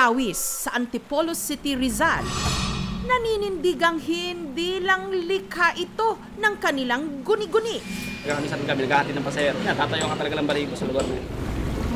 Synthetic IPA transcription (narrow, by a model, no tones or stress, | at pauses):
awɪsːɐʔɐnt̪ɪpolosit̪iɾɪzal | nɐniːnɪnd̪iːɡɐŋɦɪnd̪ilɐŋlɪkaʔɪt̪o̞ | nɐŋkɐnɪlaŋɡʊnɪɡʊniɡaʔamisanɡamɪnɐɡaːhat̪idnɐpɐsɛɛɾojat̪aːt̪ɐjokat̪ɐlɐɡalɐmbɐɾiːɡosɐloɡaɾnɐ̰